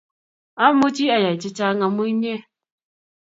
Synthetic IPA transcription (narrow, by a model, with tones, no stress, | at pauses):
a˦mo˦t͡ʃi˦a˨ja˨i˨t͡ʃɪ˦t͡ʃa˦ŋa˨mu˦i˦ɲe˦